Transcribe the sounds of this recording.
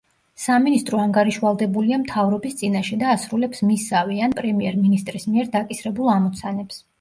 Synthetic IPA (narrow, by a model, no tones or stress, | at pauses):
saminist̪ʼɾɔaŋɡaɾiʃvalˠd̪ɛbuliamt̪ʰavɾɔbist̪sʼinaʃɛd̪aːsɾulɛpsmisavianpʼɾɛmiɛɾminist̪ʼɾismiɛɾd̪akʼisɾɛbulˠamɔt̪sʰanɛps